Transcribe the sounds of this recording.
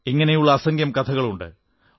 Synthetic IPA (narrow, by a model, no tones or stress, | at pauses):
iŋːɐne̞juɭːɐːsɐŋɡjɐmkɐt̪ʰɐɣɐɭuɳɖɨ̰